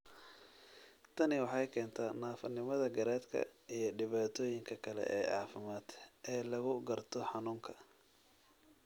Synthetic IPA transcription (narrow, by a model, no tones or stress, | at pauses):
t̪ʰɐnɪwɑħɑjkʰɛːnt̪ʰaːnaːfɐnɪmɐðɐɡɐɾɛːd̪kʰɐ̰ijɞɖɪβaːt̪ʰɔːjɪŋkʰɐkʰɐlɛ̰ʔɛ̰ːʕɑ̰ːfɪmaːd̪ʔɛːlɐɣʊɡɐrt̪ʰɔħɑnuːŋkʰɐ̥